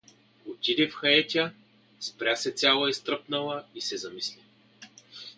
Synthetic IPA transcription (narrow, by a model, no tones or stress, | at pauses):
ot̪ʲid̪ɛfxɐɛt̪ʲə | spɾʲasɛt̪sʲjalˠɐist̪ɾɤpnɐlˠɐisɛzɐmisli